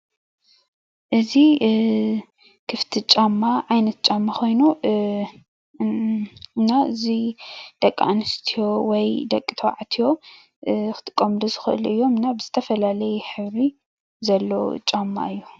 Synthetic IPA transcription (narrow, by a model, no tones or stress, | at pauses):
ʔɨzi | kʰɨft̪ʰit͡ʃʼamːaʕajnɐt̪̚t͡ʃʼamːaxo̞jnu | ɨnːaɨzid̪̥ɐkʼːa̰nɨst̪ʰijowɔjd̪ɐkʼːit̪ʰɐwʕat̪ʰijo̞ | xɨ̥t̪ʰʼɨ̥kʼːɐmluzɨxɨʔɨ̰lʔɨjːo̞mɨnːabɨzɨt̪ʰɐfɐlalɐjħɨβɾi | zɐlːo̰t͡ʃʼamːa̰ɨjːu